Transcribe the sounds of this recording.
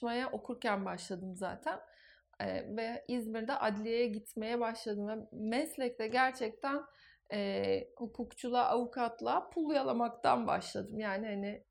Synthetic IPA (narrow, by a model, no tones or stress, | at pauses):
majaʔo̞kʰuɾcænbaʃlˠad̪ɯmza̰ːt̪ʰæn | ɛ̰vɛizmiɾd̪ɛʔad̪lʲijejɛɟit̪ʰme̞jɛbaʃlˠad̪ɯmvɛmɛslʲɛc̚lʲɛɟæɾt͡ʃʰɛc̚t̪ʰæn | ɛːhukʰukt͡ʃʰulˠaʔavukʰat̪lˠapʰulˠujalˠamakt̪ʰa̰nba̰ʃlˠad̪ɯmjaːnihanɪ